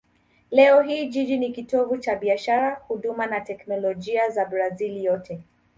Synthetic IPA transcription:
lɛɔɦiːʄiɗinikitɔvut͡ʃaɓiaʃaɾahuɗumanatɛknɔlɔʄiazabɾazilijɔtʰɛ

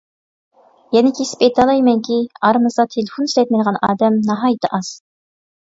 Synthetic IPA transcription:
jɛnɪkʲʰesɪ̥pet̪ʰɑlˠɑjmɛŋkʲʰiɑɾmɨzʁɑt̪ʰelɪfoniʃlɛt̪̚mɛd̪əʁɑnɑ̰ːd̪ɛmnɑɦɑːjɨt̪ʰɨʔɑz̥

